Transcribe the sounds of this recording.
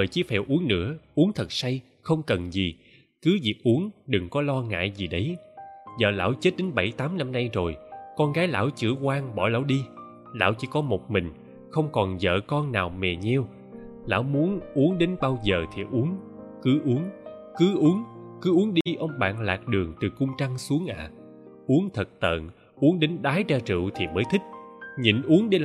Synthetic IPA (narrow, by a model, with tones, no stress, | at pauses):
əː˨˩jt͡ɕi˨˧˦fɛ̰˧˩wʔu˨˦əŋnɨ̰˧˥əʔu˨˦ŋt̪ʰə˨˩t̚sa˧j | xə˧wŋ͡mkə˨˩nzi˨˩ | kɨ˨˦vi˨˩k̚ʔu˨˦ənɗɨ˨˩ŋkɔ˨˦lɔ˧ŋa̰ː˧˨jzi˨˩ɗə˨˦jzə̰ː˧˨˩la̰ː˧˥˩wt͡ɕe˦˥t̚ɗe˨˦nɓə˧˩jt̪aː˨˦mna˧mna˧jzo˨˩jkɔ˧nɣaː˨˦jla̰ː˧˥wt͡ɕɨ̰˧˩əkwaː˧ŋɓɔ̰˧˩la̰ː˧˥wɗi˧ | la̰ː˧˥wt͡ɕi˧˦kɔ˨˦mo˨˩t̚mï˨˩ŋ̟ | xə˧wŋ͡mkɔ˨˩nzə̰ː˧˨kɔ˧nnaː˨˩wmɛ˨˩ɲɛ˧w | la̰ː˧˥wmu˨˦ənʔu˨˦əŋɗe˨˦nɓaː˧wzəː˨˩t̪ʰi˨˩ʔu˨˦əŋkɨ˨˦ʔu˨˦əŋkɨ˨˦ʔu˨˦əŋkɨ˨˦ʔu˨˦əŋɗi˧ʔə˧wŋ͡mɓa̰ː˧˨nla̰ː˨˩k̚ɗɨ˨˩əŋt̪ɨ˨˩kʊ˧ŋ͡mt͡ɕa˧ŋsu˨˦əŋʔa̰ː˧˨ | ʔu˨˦əŋt̪ʰə˨˩t̚t̪ə̰ː˧˨n | ʔu˨˦əŋɗe˨˦nɗaː˨˦jt͡ɕaː˧t͡ɕɨ̰˧˨wt̪ʰi˨˩məː˨˦jt̪ʰi˦˥k̟̚ɲḭ˧˨nʔu˨˦əŋɗe˨˦